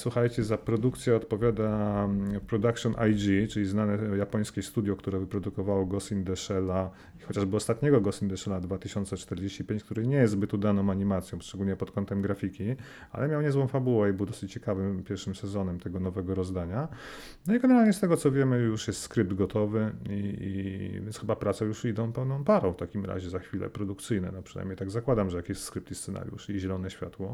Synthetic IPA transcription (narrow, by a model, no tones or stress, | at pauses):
swuxajt͡ɕɛzapɾɔd̪ukt̪sʲjɛɔt̪pɔvʲjad̪a | pɾɔd̪akʂɔnʔajd͡ʒit͡ʂɘlʲiznanɛjapɔj̃skʲɛst̪ud̪jɔkt̪uɾɛvɘpɾɔd̪ukɔvawɔɡɔsind̪ɛʂɛla | ixɔt͡ɕaʐbɘɔst̪at̪ɲɛɡɔɡɔsind̪ɛʂɛlad̪vat̪ɘɕɔnt̪sɛt͡ʂt̪ɛɾd͡ʑeɕt͡ɕipʲeɲt͡ɕkt̪uɾɘɲɛjɛst̪zbɘt̪ud̪anɔ̃w̃aɲimat̪sʲjɔ̃w̃ʂt͡ʂɛɡulɲɛpɔt̪kɔnt̪ɛmɡɾafʲikʲi | a̰lɛmʲjawɲɛzwɔ̃fabuwɛibɘwd̪ɔsɘt͡ɕt͡ɕːɛkavɘmpʲjɛɾfʂɘmsɛzɔnɛmt̪ɛɡɔnɔvɛɡɔɾɔzd̪aɲa | nɔiɡɛnɛɾalɲɛst̪ɛɡɔt̪sɔvʲjɛmɘjuʂjɛst̪skɾɘp̚d̪ɡɔt̪ɔvɘiḭvʲjɛnsxɘbapɾat̪sɛjuʂid̪ɔ̃w̃pɛwnɔ̃w̃paɾɔ̃w̃ft̪akʲimɾa̰ʑɛzaxfʲilɛ̰pɾɔd̪ukt̪sɘjnɛ̰nɔpʂɨ̥na̰jmɲejt̪aɡzakwad̪amʐɛjakʲɛst̪skɾɘp̚t̪ist̪sɛna̰ɾjṵʂiʑɛlɔnɛɕfʲja̰t̪wɔ